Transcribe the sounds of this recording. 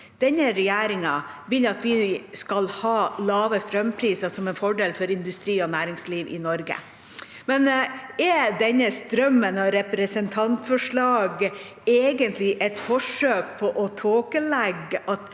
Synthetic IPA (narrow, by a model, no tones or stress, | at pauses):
d̪̥ɛnːəɾɛjæːɾɪŋɑʋɪlɑt̪ʋɪskɑlhɑːlɑːʋəst̪ɾœmpʰɾiːsɑsɔmɛnfɔɖeːlfɔɾɪnd̪ʉst̪ɾiːɔnæːɾɪŋsliːʋʔɪ̰nɔɾɡə̰ | mɛnɛd̪ɛnːəst̪ɾœmːənɑɾɛpɾəsənt̪ʰɑnt̪fɔʂɭɑːɡ | eːɡənt̪ʰlɪʔɛt̪fɔʂøːk̚pʰɔʔɔt̪ʰoːkəlɛɡʔɑt̪